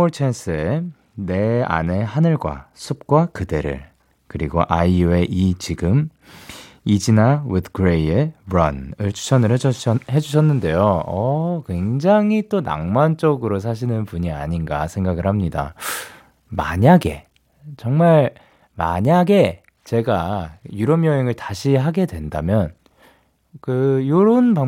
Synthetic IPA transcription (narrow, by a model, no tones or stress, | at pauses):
oɭt͡ɕʰens͈ʰɯe | ne̞a̰ne̞ɦanɯɭɡwa̰sʰup̚k͈wakɯde̞ɾɯ̰ɭ | kɯɾiɡo̰ʔaiueʔit͡ɕiɡɯm | id͡ʑinawɯdkɯɾejebɾʌnɯɭt͡ɕʰu̥t͡ɕʰʌnɯɭehe̞d͡ʑuɕ̬ʰʌnːɯnde̞joʌkwe̞ŋd͡ʑaŋit͈ona̰ŋmant͡ɕ͈ʌɡɯɾos̬ʰaɕ̬ʰinɯnpuɲia̰ɲinɡasʰe̞ŋɡaɡɯɭhamɲida̰ | ma̰ɲaɡe̞ | t͡ɕʌŋmaɭ | ma̰ɲaɡe̞ | t͡ɕe̞ɡajuɾʌmjʌɦeŋɯɭtaɕʰiɦaɡe̞dwe̞ndamjʌn | kɯjoɾoɯnpa